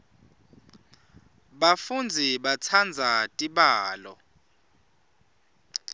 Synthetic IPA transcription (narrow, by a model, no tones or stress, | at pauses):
ɓafund͡zʱiɓat͡sʰand͡zʱatʼiɓaːlɔ̰